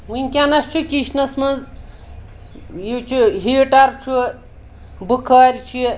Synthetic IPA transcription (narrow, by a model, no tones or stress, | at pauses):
munʲkʲanɐst͡ʃʰukiʃnɐsmɐnz | jit͡ʃʰuɦiːʈɐɾt͡ʃʰu | bukʰaːɾʲt͡ʃʰi